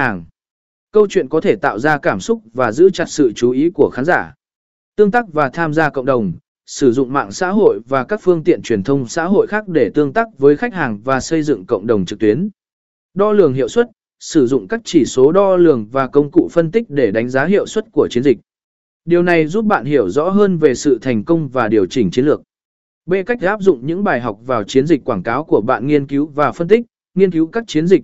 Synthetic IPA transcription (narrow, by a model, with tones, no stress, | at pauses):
aː˨˩ŋ | kə˧wt͡ɕwḭ˧˨ənkɔ˨˦t̪ʰe˧˩t̪a̰ː˧˨wzaː˧kaː˧˩msʊ˦˥k͡p̚vaː˨˩zɨ̰˧˥t͡ɕa˨˩t̚sɨ̰˧˨t͡ɕu˨˦ʔi˨˦ku˧˩əxaː˨˦nzaː˧˩ | t̪ɨ˧əŋt̪aː˦˥k̚vaː˨˩t̪ʰaː˧mzaː˧kə̰˧˨wŋ͡mɗə˨˩wŋ͡m | sɨ˧˩zʊ̰˧˨ŋ͡mma̰ː˧˨ŋsa̰ː˧˥ɦo̰˧˨jvaː˨˩kaː˦˥k̚fɨ˧əŋt̪ḭ˧˨ənt͡ɕwi˨˩ənt̪ʰə˧wŋ͡msa̰ː˧˥ɦo̰˧˨jxaː˦˥k̚ɗe˧˩t̪ɨ˧əŋt̪aː˦˥k̚vəː˨˦jxa˦˥jk̚haː˨˩ŋvaː˨˩sə˧jzɨ̰˧˨ŋkə̰˧˨wŋ͡mɗə˨˩wŋ͡mt͡ɕɨ˨˩k̚t̪i˨˦ən | ɗɔ˧lɨ˨˩əŋɦḭ˧˨əwswə˦˥t̚ | sɨ˧˩zʊ̰˧˨ŋ͡mkaː˦˥k̚t͡ɕi˧˩so˨˦ɗɔ˧lɨ˨˩əŋvaː˨˩kə˧wŋ͡mkṵ˧˨fə˧nt̪ï˦˥k̚ɗe˧˩ɗa˨˦ŋ̟zaː˨˦ɦḭ˧˨əwswə˦˥t̚ku˧˩ət͡ɕi˨˦ənzï˨˩k̚ | ɗi˨˩əwna˨˩jzu˦˥p̚ɓa̰ː˧˨nɦi˧˩əwzɔ̰˧˥ɦəː˧nve˨˩sɨ̰˧˨t̪ʰa˨˩jŋ̟kə˧wŋ͡mvaː˨˩ɗi˨˩əwt͡ɕï˨˩ŋ̟t͡ɕi˨˦nlɨ˨˩ək̚ | ɓe˧ka˦˥k̟̚ʔaː˦˥p̚zʊ̰˧˨ŋ͡mɲɨ̰˧˥ŋɓaː˨˩jɦa˨˩wk͡p̚vaː˨˩wt͡ɕi˨˦nzi˨˩k̚ʲkwaː˧˩nkaː˨˦wku˧˩əɓa̰ː˧˨nŋi˧ənki˨˦wvaː˨˩fə˧nt̪ï˦˥k̚ | ŋi˧ənki˨˦wkaː˦˥k̚t͡ɕi˨˦ənzi˨˩k̚